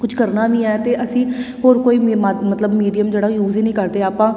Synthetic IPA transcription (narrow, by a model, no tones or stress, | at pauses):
kʊt͡ʃʰkəɾnaːʋĩːɛːt̪eːʔəsĩːɦoːɾkoːiːmamət̪ləbmiːɖijəmd͡ʒeːɽajuːziːnĩːkəɾd̪eːaːpãː